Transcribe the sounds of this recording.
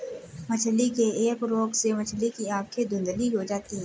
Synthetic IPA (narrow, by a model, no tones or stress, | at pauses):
mət͡ʃʰlikeeːkɾoːkseʋɐt͡ʃʰlikiaːp̚ked̪ʊ̃nd̪liɦod͡ʒaːt̪iɦɛ̃